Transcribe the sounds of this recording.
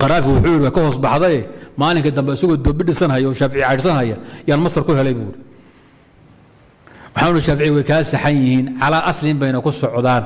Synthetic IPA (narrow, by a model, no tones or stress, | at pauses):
qɑɾaːfɪwʊħuːjɪɽɪwakʰɐɦɔːsbɑħðɐɛmaːlɪŋkʰɐd̪ɐmbɛɪsɐɣɔːd̪ɔːbɪɖɪsɐnɦɐjɐːʃaːfɪʕɪjʕaɪɾsɐnɦɐjɐɪjaːnmɐst̪ɐrkʰʊɦɛlɛjβuːjɽi | wɑħaːnʊʊɾɪʃaːfɪʕɪjwɛjkʰaːsɐħanjɪhiːnʕɑlaːʔɐslɪmbɛjnɐkʰʊsɔʕðaːn